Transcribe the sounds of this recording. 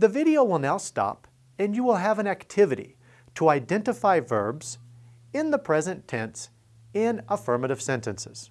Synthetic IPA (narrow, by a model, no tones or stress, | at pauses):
ðɨvɪɾioʊwəlˠnaʊstɑ̰p | ɨ̃njɨwɪlˠəvɨ̃næktʰɪvɨɾḭ | ɾəaɪdɛ̃ntɨfaɪvɜ˞bz̥ | ɪ̃nðəpʰɹ̥ɛzɨ̃ntʰɛ̃ns | ɪ̃nəfɜ˞mɨɾɨv̥sɛ̃ntɨ̃nsɨ̰z̥